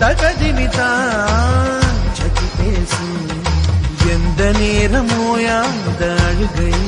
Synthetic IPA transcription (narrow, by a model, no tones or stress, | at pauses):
t̪ɐkɐd͡ʒiːʋit̪aː | t͡ʃɐkip̪eːsu | jend̪ɐneːɾɐmoːjaːnd̪ɐɐɽuɡɐj